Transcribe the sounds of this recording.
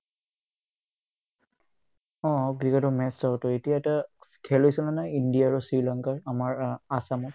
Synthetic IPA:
ɔ̃ɡɹikɔtɔmɛtsawtɔetijaɛtakʰɛlojsɔnanaindijaːɹusɹilaŋkaɹamaɹasamɔ

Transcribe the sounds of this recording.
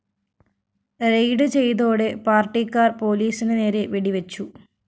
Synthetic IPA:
rejɖɨt͡ɕe̞jt̪o̞ːɽepaːrʈːikːaːrpo̞ːliːsinɨne̞ːɾeʋiɽiʋɐt͡ɕːu

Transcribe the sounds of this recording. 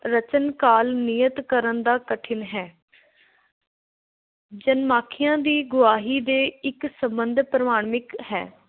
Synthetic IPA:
ɾət͡ʃənkaːlnijət̪kəɾənd̪aːkəʈʰɪnɦɛː | d͡ʒənmaːkʰɪjãːd̪iːɡʊʋaːɦiːd̪eːɪksəmbənd̪ʱpɾəmaːɽmɪkhɛ̰ː

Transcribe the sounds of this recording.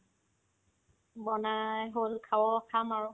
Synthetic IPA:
bɔnajɦolkʰawɔkʰamaɹʊ

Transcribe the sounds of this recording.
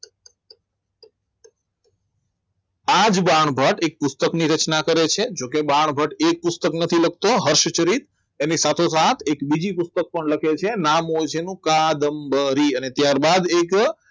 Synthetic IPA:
ad͡ʒbaɳ̃bʱəʈek̚pʊst̪əkniɾət͡ʃnakəɾet͡ʃʰed͡ʒokebaɳ̃bʱəʈek̚pʊst̪əknət̪ʰilək̚ʰt̪oɦəɾʃt͡ʃəɾit̪̚ | enisat̪ʰosat̪ʰekbid͡ʒipʊst̪ək̚pəɳləkʰet͡ʃʰenamod͡ʒenũkad̪əmbəɾiənet̪jaɾbad̪ek

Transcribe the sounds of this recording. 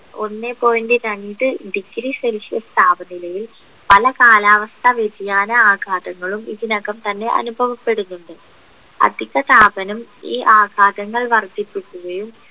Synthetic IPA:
o̞̰nːe̞pːo̞ːjindiɾɐɳɖɨɖikːɾiselʂijɐst̪ʰaːbɐnilɐjil | pɐlɐkaːlaːʋɐst̪ʰɐʋedijaːnɐaːɡʱaːd̪ɐŋːɐɭumiðinɐɣɐmt̪ɐnːe̞ʔɐ̰nubʱɐʋɐpːe̞ɽunːuɳɖɨ | ɐ̰d̪ʱiɣɐt̪aːbɐnumiːʔaːɡʱaːd̪ɐŋːɐɭʋɐrt̪ːipːukʲːuɣɐjum

